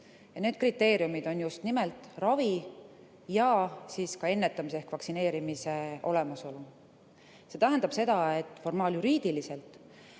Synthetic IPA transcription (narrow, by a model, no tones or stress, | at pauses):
jɑneːd̪̥̚krit̪ːe̞ːɾjumid̪̥o̞njust̪nimelt̪ːˑrɑvi | jɑsiːskɑe̞nːe̞t̪ːˑɑmis̬eekvɑksine̞ːɾimise̞o̞le̞mɑso̞lu | se̞t̪æɦend̪ɑb̥se̞d̪̥ɑe̞t̪ːˑfo̞rmɑːljuɾiːd̪̥ilise̞lt̪ˑ